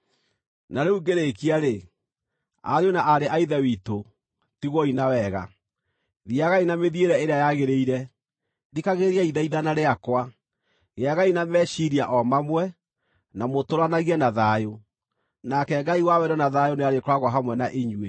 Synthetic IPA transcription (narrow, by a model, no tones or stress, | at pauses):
naɾeuɡeɾekiaɾe | a̰ɾjonaʔaɾeʔaiðɛwito | tiɣwɔinawɛɣa̰ | ðiaɣainameðieɾɛeɾeajaɣeɾeiɾɛ | dikaɣeɾiaiðaiðanaɾeakwa | ɣeaɣainamɛʃiɾiaʔɔmamwɛ | namotoɾanaɣianaðajo | nakɛɡaiwawɛɾɔnaðajoneaɾekɔɾaɣwaɦamwɛnaʔeɲwe